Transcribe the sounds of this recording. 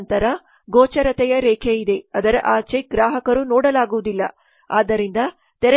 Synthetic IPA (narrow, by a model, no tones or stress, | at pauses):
nt̪ɐɾɐ | ɡoːt͡ʃɐɾɐt̪ɛjɐɾɛːkʰejid̪e̞ɐd̪ɐɾʔaːt͡ʃeɡɾaːɦɐkɐɾunɔːɽɐlaːɡuʋud̪ilːɐ̰ | a̰ːd̪ɐɾind̪ɐ | t̪ɛɾɐ